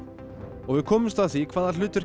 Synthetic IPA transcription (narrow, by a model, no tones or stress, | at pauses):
ɔɣvɪðkʰɔːmʏmst̪aðθvikʰvaːðalʏːt̪ʏɾ̥